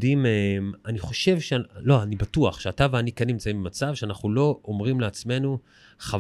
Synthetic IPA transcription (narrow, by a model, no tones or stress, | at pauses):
dimemaniχo̞ʃe̞vʃelo̞anibatuaχʃeataveanikenimt͡saimbemat͡savʃeanaχnulo̞omʁimleat͡sme̞nu | χav